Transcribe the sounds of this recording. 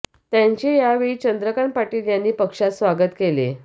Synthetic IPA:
t̪jaɲt͡ɕejaʋit͡ɕənd̪ɾəkaɳpaʈiːljanːiːpəkʂat̪sʋaɡət̪kelḛ

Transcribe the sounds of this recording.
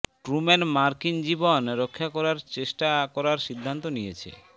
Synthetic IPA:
ʈɾumenmaɾkind͡ʑibonɾokʰːakɔɾaɾt͡ɕeʃʈakɔɾaɾʃid̪ʱːant̪onijet͡ɕʰḛ

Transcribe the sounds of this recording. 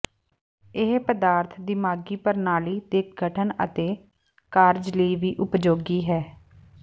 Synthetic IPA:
ɪɦpəd̪aːɾt̪ʰd̪imaːɡiːpəɾnaːliːd̪eːkʰɡʱəʈʰənə̰t̪eː | kaːɾd͡ʒləiːʋiːʔʊpd͡ʒoːɡiːɦɛː

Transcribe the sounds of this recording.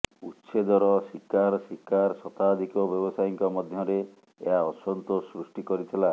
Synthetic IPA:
utːʃed̪ɔɾɔsikaɾɔsikaɾsɔt̪ad̪ʱikɔbjɔbɔsajiŋkɔmɔd̪ʱjɔɾe | ḛɦaɔsɔnt̪ɔsɾusʈikɔɾit̪ʰila

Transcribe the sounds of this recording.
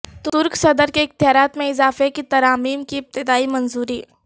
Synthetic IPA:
t̪ʊɾksɐd̪əɾkeɪk̚t̪jaːɾaːt̪mẽɪzaːfekit̪ɐɾaːmiːmkiɪp̚t̪ɪd̪aːimɐ̃nzuːɾiː

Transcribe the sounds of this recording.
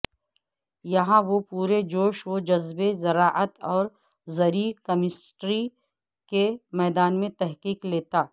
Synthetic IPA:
jɐɦãʋopuːɾed͡ʒoːʃwod͡ʒɐzbezɐɾaːʔət̪ɔːɾ | zɐɾikɐmɪsʈɾi | kemɛːd̪aːnmẽt̪ɛɦqiːkleːt̪aː

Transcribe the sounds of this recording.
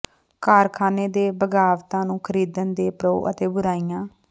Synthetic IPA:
kaːɾkʰaːneːd̪eːbəɡaːʋt̪ãːnũːkʰəɾiːd̪ənd̪eːpɾoːʔə̰t̪eːbʊɾaːiːjãː

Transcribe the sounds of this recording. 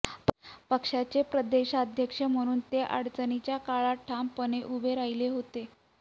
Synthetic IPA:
ppəkʂat͡ɕepɾəd̪eɕaəd̪ʱjəkʂəm̤əɽ̃uːnt̪eʔa̰ɽt͡sənit͡ɕjakaɭaʈʰːampəneʔubʱeɾaileɦot̪e

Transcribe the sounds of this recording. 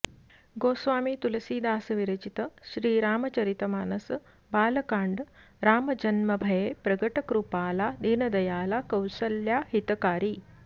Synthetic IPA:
ɡoːsʋaːmiːt̪ulɐsiːd̪aːsɐʋiɾɐt͡ʃit̪əɕɾiːɾaːmɐt͡ɕɐɾit̪ɐmaːnɐs | baːlɐkaːɳɖ | ɾaːmɐd͡ʒɐnmɐbʱɐjepɾɐɡəʈəkɾupaːlad̪eːnɐd̪ɐjaːlakɐwsəljahit̪kaːɾiː

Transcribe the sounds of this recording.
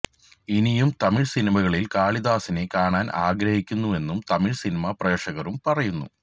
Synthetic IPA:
inijumt̪ɐmiɭsinimɐɣɐɭilkaːɭiðaːsine̞kaːɳaːnʔa̰ːɡɾɐhikʲːunːue̞nːumt̪ɐmiɻsinimɐpreːʂɐɣɐɾumpɐrɐjunːṵ

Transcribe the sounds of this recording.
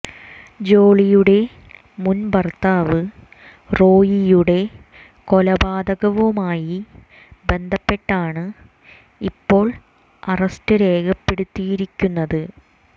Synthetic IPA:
d͡ʑo̞ːɭijuɽe̞ | munbɐrt̪aːʋɨ | ro̞ːjijuɽe̞ | ko̞lɐbaːd̪ɐɣɐʋumaːji | be̞nd̪ʱɐpːe̞ʈːaːɳɨ | ipːo̞ːɭ | ɐrɐstɨɾe̞ːɡɐpːeɽut̪ːijiɾikʲːunːɐðɨ

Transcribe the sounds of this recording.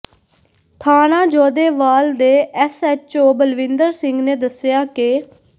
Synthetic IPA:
t̪ʰaːnãːd͡ʒɔːd̪eːʋaːld̪eːɛsɛt͡ʃoːbəlʋɪ̃nd̪əɾsɪŋɡneːd̪əsɪjaːkɪ

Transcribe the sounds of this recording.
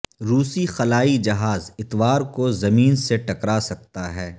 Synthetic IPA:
ɾuːsixɐlaːid͡ʒɐɦaːzɪt̪ʋaːɾkozɐmiːnseʈɐkɾasɐk̚t̪aɦɛː

